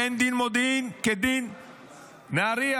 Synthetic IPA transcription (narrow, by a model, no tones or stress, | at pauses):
end̪inmod̪inked̪in | naɾia